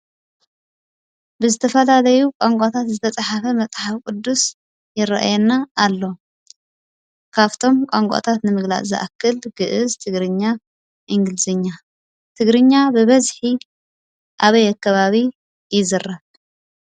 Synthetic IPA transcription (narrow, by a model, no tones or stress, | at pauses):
bɨzɨt̪ʰɐfɐlalɐjukʷʼaŋkʼat̪ʰat̪zɨt̪ʰɐt͡sʼaħafɐmɐt͡sʼħafkʷʼud̪ːus | jɪɾɐ̰ʔa̰jɛnːaːlːo̞ | kʰaβt̪ʰo̞mkʷʼaŋkʷʼa̰t̪ʰat̪nɨmɨɡla̰ʔzɐ̰ʔa̰kʰːɨlɡ̥ɨʔɨzt̪ʰɨɡɾɨɲːa | ʔiŋɡɨlzɨɲːa | t̪ʰɨɡɾɨɲːabɨβɐzħi | ʔaβɐjakʰːɐβaβi | jɪzɨrːɐβ